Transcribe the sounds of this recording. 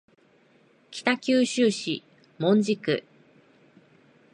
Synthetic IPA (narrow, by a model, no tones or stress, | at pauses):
kʲi̥t̪akʲɨːɕɨːɕi | mõ̞ɲ̟d͡ʑikɯ̟̰